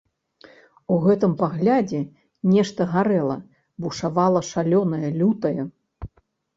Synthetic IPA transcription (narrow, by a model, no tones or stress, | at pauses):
uɣɛt̪ɨmpaɣlʲad͡zʲɛ | nʲɛʂt̪ɐɣaɾɛlˠɐ | buʂavalˠɐʂalʲɔnɐjɐlʲut̪ɐjɐ